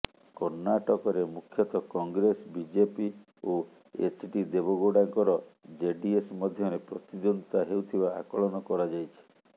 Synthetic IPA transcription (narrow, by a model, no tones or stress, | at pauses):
kɔɾnaʈɔkɔɾemukʰjɔt̪ɔkɔŋɡɾesbid͡ʒepi | o | ḛsʈid̪ebɔɡoɖaŋkɔɾɔd͡ʒeɖiesmɔd̪ʱjɔɾepɾɔt̪id̪ond̪it̪aɦeut̪ʰibaakɔɭɔnɔkɔɾad͡ʒajt͡ʃʰi̥